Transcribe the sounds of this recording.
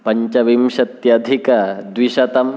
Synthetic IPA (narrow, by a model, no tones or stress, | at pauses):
pɐɲt͡ʃɐʋimʃɐt̪jɐd̪ʱikɐd̪ʋiʃɐt̪ɐm